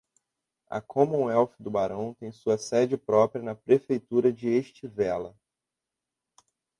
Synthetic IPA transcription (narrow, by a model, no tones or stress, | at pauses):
ɐ̰kʰõmʊũɛwfɪd̪ʊbaɾɐ̃w̃t̪ẽj̃suɐsɛd͡ʒɪpɾɔpɾiɐnɐpɾefejt̪uɾɐd͡ʒɪeʃt͡ʃivɛlɐ